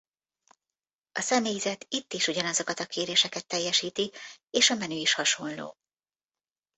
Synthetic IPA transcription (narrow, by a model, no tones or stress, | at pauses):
ʔɒsɛmeːjzɛt̪it̪ːiʃuɟɒnɒzo̞kɒt̪ɒkʰeːɾeːʃɛkɛt̪ːɛjːɛʃiːt̪ieːʃɒmɛnyːiʃhɒʃo̞nlo̰ː